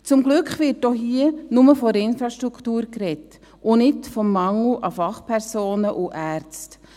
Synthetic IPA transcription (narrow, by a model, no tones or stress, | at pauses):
t͡sʊmɡlʉkχʋɪɾtoɦiənʊməfɔɾɪnfɾɑʃtɾukʰtuːɾkɾɛt | ʔʊnɪtfɔmːɑŋl̩ʔɑfɑχpʰɛɾsoːnəʔuʔæːɾt͡st